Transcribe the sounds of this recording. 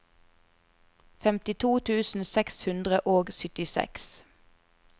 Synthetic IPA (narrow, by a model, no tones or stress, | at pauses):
fɛmt̪ɪt̪ʰuːt̪ʰʉːsn̩sɛkshʉnd̪ʁəʔoːɡsʏt̪ɪsɛ̰ks